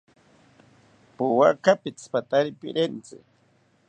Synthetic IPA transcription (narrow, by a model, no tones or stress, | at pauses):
pʊwakapɪt͡spat̪aɾɪpɪ̰ɾent͡sɪ̰